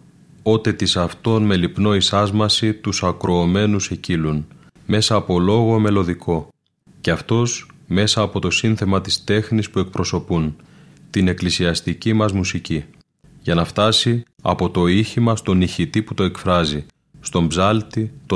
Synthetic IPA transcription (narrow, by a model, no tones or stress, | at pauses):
o̞t̪e̞t̪isɐft̪o̞nme̞lipno̞isɐzmɐsit̪usɐkɾo̞ːme̞nuse̞cilun | me̞sɐːpo̞lo̞ɣo̞me̞lo̞ðikʰo̞ | ce̞ɐft̪o̞sme̞sɐːpo̞t̪o̞sinθe̞mɐt̪ist̪e̞xnispue̞k̚pɾo̞so̞pun | t̪ine̞klisiɐst̪icimɐzmusici | ʝɐnɐft̪ɐsi | ɐ̰po̞t̪o̞içimɐst̪o̞niçit̪iput̪o̞e̞kfɾɐzi | st̪o̞mbzɐlt̪it̪o